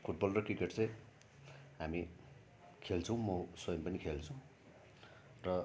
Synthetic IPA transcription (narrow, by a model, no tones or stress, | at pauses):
pʰuʈ̚bʌlrʌkrikeʈt͡sʌ̃j̃ | ɦami | kʰelt͡sʰʌ̃w̃mʌsʌjʌmpʌnikʰelt͡sʰʌw̃ | rʌ